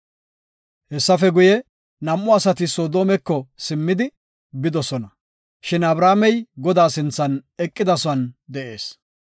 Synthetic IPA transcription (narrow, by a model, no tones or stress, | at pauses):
hɛsːɐfɛɡʊjɛ | nɐmʔːʊɐsɐt̪ɪsoːd̪oːmɛkːɔsɪmːɪd̪ɪ | bɪd̪ɔsɔnɐ | ʃɪnɐbɾaːmɛjɡɔd̪aːsɪnt͡sːɐnɛkʼːɪd̪ɐsʊɐnd̪ɛʔe̞ːs